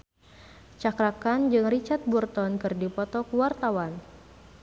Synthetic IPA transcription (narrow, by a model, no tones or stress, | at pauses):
t͡ʃakɾakand͡ʒɨŋrit͡ʃat̪̚burt̪ɔnkɨrdipɔt̪ɔkuwart̪awan